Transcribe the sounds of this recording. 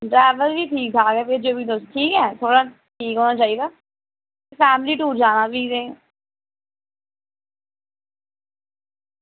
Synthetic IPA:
ɖɾɛːʋəlʋiːʈʰiːk̚d͡ʒaːɡɛːped͡ʒoːbiːd̪osʈʰiːkɛːt̪ʰoːɽaː | ʈʰiːkɦoːnaːt͡ʃaːiːd̪aː | epʰɛːmliːʈuːɾd͡ʒaːnaːbiːdeː

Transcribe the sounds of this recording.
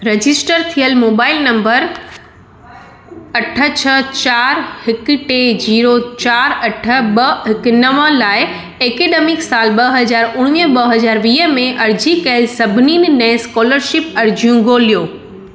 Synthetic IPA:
ɾed͡ʑɪsʈəɾt̪ʰijəlmoːbaːɪlnɐ̃mbəɾ | ɐʈʰə̆t͡ɕʰət͡ɕaːɾhɪkʈed͡ʑiːɾot͡ɕaːɾɐʈʰə̆ɓɐɦɪknɐmə̆laːɪ | eːkeːɗemɪksaːlɓɐɦɐd͡ʑaːɾʊɽ̃ʋijɓɐɦɐzaːɾʋiːɦəmẽʔɐɾd͡ʑikɐɪlsɐbʱniːnɪ̆nɛ̃ɪ̃skɔːləɾʃɪpɐɾd͡ʑijũɡoːlijoː

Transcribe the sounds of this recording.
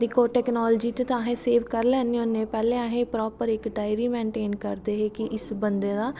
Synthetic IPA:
d̪ɪkoːʈɛːknɔːld͡ʒiːt͡ʃẽt̪ãːɦẽːseːʋkəɾlɛːneɦõːnẽːpɛːlẽːaːɦẽːpɾɔːpəɾɪkɖaːɪɾiːmẽːɳʈeːnkəɾd̪eːɦeːkɪʔɪsbənd̪eːd̪aː

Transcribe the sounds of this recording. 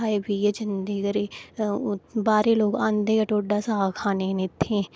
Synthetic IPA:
aːebied͡ʒɪnd̪əɡəɾe | baːɾeloːɡãːnd̪eːkɐʈoːɖːaːsaːkʰaːnenɪt̪ʰːẽ

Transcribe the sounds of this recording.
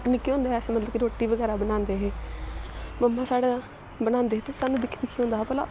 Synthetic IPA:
nɪkːiɦõːnd̪eːɦɛsmət̪ləbkiɾoːʈːiːʋəɡɛːɾaːbənãːnd̪eːɦeː | məmːãːsaːɽẽ | bənãːnd̪eːɦeːt̪esaːnːũd̪ɪkʰid̪ɪkʰːiːɦõːnd̪aɦːpəla̰ː

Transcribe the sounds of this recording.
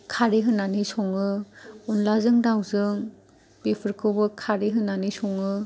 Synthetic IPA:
kʰaɾiɦɯnːanisɔŋɯunlazɯŋdawzɯŋ | bipʰɯɾkʰɯwbɯkʰaɾiɦɯnanisɔŋɯ

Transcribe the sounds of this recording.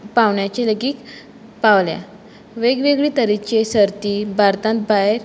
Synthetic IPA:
paʋɳjat͡ɕeləɡiːk | paʋlja̰ | ʋeɡʋeɡɭiːt̪əɾikt͡ɕesəɾt̪ibʱaɾt̪ãt̪̚baɦeɾ

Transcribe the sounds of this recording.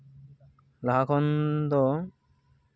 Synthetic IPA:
laɦakʰɔnd̪ɔ

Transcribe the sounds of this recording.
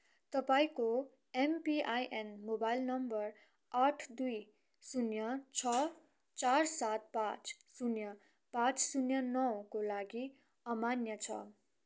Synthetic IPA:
t̪ʌpaĩko | empiajʔenmobajlnʌmbʌr | aʈʰd̪uj | sunjʌt͡sʰʌ | t͡sarsat̪̚pãt͡s | sunjʌ | pãt͡ssunjʌnʌwkolaɡi | ʌmanjʌt͡sʰʌ̰

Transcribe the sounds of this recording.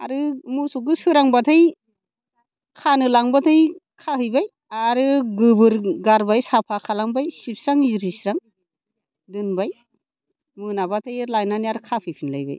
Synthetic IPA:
a̰ɾɯmusuɡɯsɯɾaŋbatʰɯj | kʰanɯlaŋbatʰɯjkʰahɯjbaj | aɾɯɡɯbɯɾɡaɾbajsapʰakʰalaŋbajsip̚sɾaŋiɾisɾaŋ | dɯnbaj | mɯnabatʰɯjlajnaniaɾɯkʰapʰɯjpʰinla̰jba̰j

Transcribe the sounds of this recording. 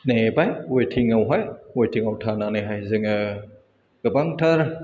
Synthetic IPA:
nebajwotʰiŋəwɦɔjwojt̪ʰiŋawtʰananajɦajzɨŋə | kəbaŋt̪ʰəɾ

